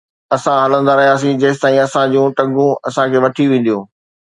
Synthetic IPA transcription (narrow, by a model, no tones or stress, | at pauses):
ɐsãɦɐlə̃nd̪aɾɐɦijaːs̬ĩd͡ʑɐːɪt̪aːĩɐsãd͡ʑũːʈɐ̃ŋɡũɐsãkʰeːʋɐʈʰiʋẽːn̆d̪ijoː